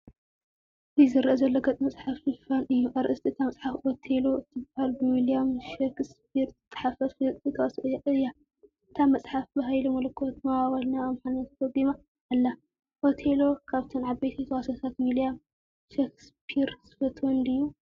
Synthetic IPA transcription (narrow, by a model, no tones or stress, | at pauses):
ʔɨzɨɾʔɐzɐlːoɡɐt̪ʼmɐt͡sʼħafɨfanɨjːuʔaɾʔɨst̪ʰiɨt̪ʰamɐt͡sʼħafʔot̪ʰelo̞ɨt̪ʰɨbahalbɨwilijamʃekspʰiɾt̪ʼːɐ̥ħafɐfʼɨt̪ʰɐwasʔɨjːaʔɨjːa | ɨt̪ʰamɐt͡sʼħafbɐɦajlomɐlɐkʰːot̪mawawɐlnaːmħanɐt̪fod̪ima | ʔalːa | ʔot̪ʰelo̞kʰaβt̪ʰɨnʕabejt̪ʰit̪ɐwasɐt̪ʰat̪wilijam | ʃekspʰiɾzfɐt̪ʰwɔnd̪ɨjːu